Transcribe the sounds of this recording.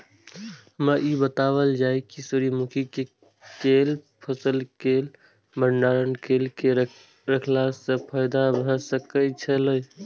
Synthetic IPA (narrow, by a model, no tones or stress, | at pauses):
məʔibət̪aːwəld͡ʒaːekisʊɾimʊkʰike | keːlpʰəsəlkeːl | mənɖaːɾənkeːlke | ɾəkʰlasepʰəjd̪abə̃səkəit͡ʃʰələj